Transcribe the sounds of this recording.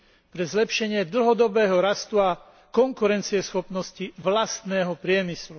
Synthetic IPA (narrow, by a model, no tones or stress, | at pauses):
pɾɛzlɛpʃɛɲɪɛd̪l̩ɦɔd̪ɔbɛːɦɔɾast̪ua | kɔŋkuɾɛnt͡siɛsxɔpnɔsciʋlast̪nɛːɦɔpɾɪɛmislu